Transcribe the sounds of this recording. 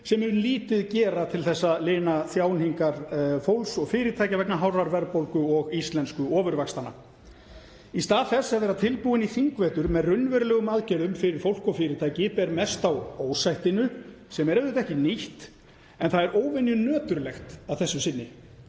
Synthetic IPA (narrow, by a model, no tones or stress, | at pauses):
sɛmɛɾʏliːt̪ɪðcɛːɾat̪ʰɪlθɛsːaleːnaθjaːwnhiŋkaɾ̥fowlsɔɣfɪːɾɪt̪ʰajcavɛknaɦawɾaɾvɛɾpowlkʏɔɣist̪lɛnskʏɔːvʏɾvakst̪ana̰ | ist̪aːðθɛsːɛvðɛɾat̪ʰɪlpuːɪniθiŋkvɛːt̪ʏɾmɛðrʏnːvɛɾlɛːɣʏmaðcɛɾʏmfɪɾɪɾ̥fowl̥kɔfɪːɾɪt̪ʰaːjcɪpɛɾmɛst̪awoːwsajht̪ɪnʏ | sɛmɛɾɛvðʏt̪ɛhcɪniht̪ | ɛnθaðɛɾoːwvɪnjʏnœːt̪ʏɾlɛxt̪avθɛsːʏsɪnːɪ